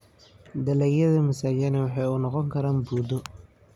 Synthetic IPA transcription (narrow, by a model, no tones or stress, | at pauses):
d̪ɐlɛːjɐðɐmɐsaːjɛnɛwɑħɑjʊnɔqɔŋkʰɐɾaːnbuːd̪ʊ